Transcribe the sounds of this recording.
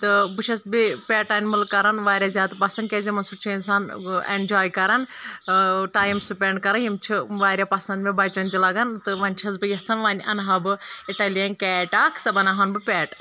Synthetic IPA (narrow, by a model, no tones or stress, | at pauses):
t̪ɨbɨt͡ʃʰɐsbipʲeːʈaːnʲmɨlkːɐɾɐnʋaːɾʲjaːzʲjaːd̪pɐsɐnd̪kʲeːzʲimɐnsuɾt͡ʃʰiinsaːnḛnd͡ʒaːjkɐɾɐn | ʈaːjimsupʲeɳɖkɐɾɐjimt͡ʃʰiʋaːɾʲaːpɐsɐnd̪mẽbɐt͡ʃɐnt̪ʲilɐɡɐnt̪ɨʋɐnʲt͡ʃʰɐsbɨjɐst͡sʰɐnʋaːnʲʔɐnɦɐbɨiʈɐːlijɐnʲkɛːʈaːkʰsɐbɐnaɦɐnbɨpʲeːʈ